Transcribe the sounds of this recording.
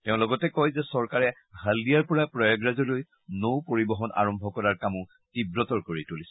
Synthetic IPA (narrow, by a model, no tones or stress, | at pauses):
tɛʊ̃lɔɡɔtɛkɔjzɛsɔɹkaɹɛ | ɦaldijaɹpɔɹapɹɔjaɡɹazɔloj | nowpoɹibɔɦɔnʔa̰ɹɔmbʱɔkɔɹaɹkamʊ | tibɹɔtɔɹkoɹitulis